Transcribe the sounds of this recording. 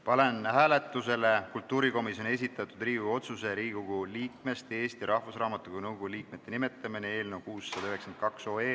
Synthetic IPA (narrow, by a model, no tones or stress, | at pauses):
pɑle̞nhæːle̞t̪ːˑuse̞le̞kult̪ːuːɾiko̞misjo̞ne̞s̬it̪ːˑɑt̪ːˑud̪riːɡuo̞t̪suse̞ɾiːɡ̥uɡ̥uliːkme̞st̪e̞ːst̪iɾʔɑhvusrɑːmɑt̪ːˑukunɤwɡuliːk̚me̞t̪ːˑe̞nime̞t̪ːˑɑminee̞ːlne̞wkuːsːɑd̪ɑyhɦeksent̪̚kɑkso̞ːeː